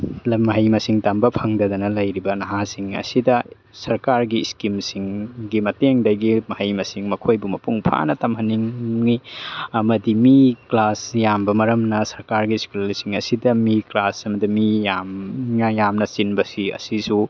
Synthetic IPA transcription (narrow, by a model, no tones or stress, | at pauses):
lmɐɦɐjmɐsiŋtɐmbɐpʰɐŋdɐd̪ɐnɐlɐjɾibɐnɐɦasiŋɐ̰sidɐ | sɐɾkaɾɡiskimsiŋɡimɐteŋdɐɡimɐhɐjmɐsiŋmɐkʰojbumɐpuŋpʰa̰nɐtɐmhɐnːiŋniɐmɐdimiklasjambɐmɐɾɐmnɐsɐɾkaɾɡisklɐɾisiŋɐsidɐmiklasɐmɐdimijamnɐjamnɐsinbɐsiɐ̰sisu